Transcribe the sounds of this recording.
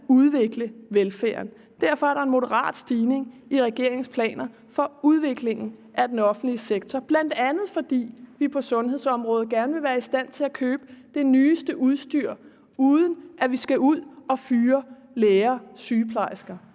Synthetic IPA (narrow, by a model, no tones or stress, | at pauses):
uð̞ˠʋe̝ɡ̥ləʋelfæ̰ːɐn | d̥æɐfɒ̽æɐɾɑ̈e̝nmo̝ɾəʁɑ̰̈ːd̥sd̥iːne̝ŋiʁɛɡ̥e̝ɐ̰e̝ŋspʰlɛ̰ːnɐ | fɒ̽uð̞ˠʋe̝ɡ̥le̝ŋn̩ʔæd̥enɒ̽fn̩d̥liəseɡ̥t͡sʰɒb̥læn̰d̥ænð̞̩ˠfɒ̽d̥ḭːʋipʰɒ̽sɔ̽nhe̝ðˠsɒ̽mʁɔ̽ːð̞̩ˠɡ̥æɐnəʋe̝ʋæːɐisd̥æn̰t͡sʰe̝lækʰøːb̥əd̥e̝nyːsd̥əʔuð̞ˠsd̥yɐ̰ | uːðˠən̩ʔæʋisɡ̥æʔuð̰ˠɒ̽fyːɐ | leːɐsyːpʰlɑ̈ɪsɡ̥ɐ